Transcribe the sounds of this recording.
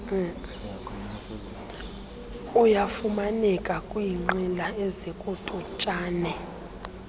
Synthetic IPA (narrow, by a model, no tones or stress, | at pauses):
ujafumanɛkʼakʼwiːŋ͡ǃilaɛzɛkʼutʼut͡ʃʼaːnɛ